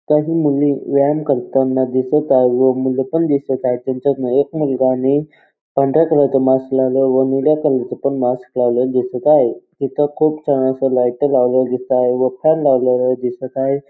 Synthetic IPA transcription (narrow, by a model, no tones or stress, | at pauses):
kaɦiːmuliːʋajəmkəɾt̪anːad̪isət̪aɦeʋəmuləpəɳd̪isət̪aɦet̪aɲt͡ɕanəekmulɡane | paɳɖɾjakəlat͡səmasklaləʋəniljakəlat͡səpəɳmasklaʋləd̪isət̪aɦek̪it̪əkʰuːpt͡ɕaɽ̃asəlajt̪əlaʋləd̪isəaɦeʋəpʰaɾlaʋlələd̪isət̪aɦe